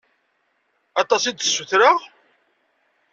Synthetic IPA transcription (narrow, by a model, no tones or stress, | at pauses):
ɑt̪ˤɑsid̪sːuθɾəʁ